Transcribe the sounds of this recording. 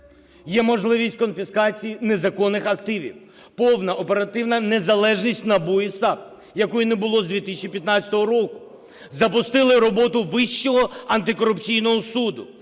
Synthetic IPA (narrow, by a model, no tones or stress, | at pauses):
jɛmɔʒlˠɪʋʲisʲtʲkɔnfʲiskɑt͡sʲijinezɐkɔnːɪxɐkt̪ɪʋʲḭw | pɔwnɐʔɔpeɾɐt̪ɪwnɐnezɐlˠɛʒnʲisʲtʲnɐbujisɑp | jɐkujineɛbʊlˠɔzd̪ʲʋʲit̪ɪsʲɪt͡ʃipʲjɐt̪nɑt͡sʲɐ̥t̪ɔɦɔɾɔkʊ̥ | zɐpʊst̪ɪlˠɪɾɔbɔt̪ʊʋɪʃt͡ʃːɔɦɔɐnt̪ɪkɔɾʊpt͡sʲijnɔɦɔsud̪ʊ